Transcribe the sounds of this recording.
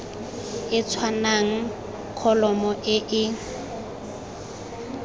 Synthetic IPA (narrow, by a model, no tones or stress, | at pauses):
ɪt͡sʰwanaŋ̩ | kʰɔlɔmɔʔɪʔɪ